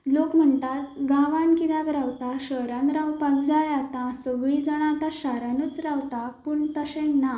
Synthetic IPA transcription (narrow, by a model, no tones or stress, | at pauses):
lokm̤əɳt̪at̪̚ɡãʋãnkid̪akɾawt̪aɕəɾãnɾawpaɡd͡zajat̪ãsəɡɭid͡zəɽ̃ãt̪aɕaɾanət͡sɾawt̪apuɳt̪əɕena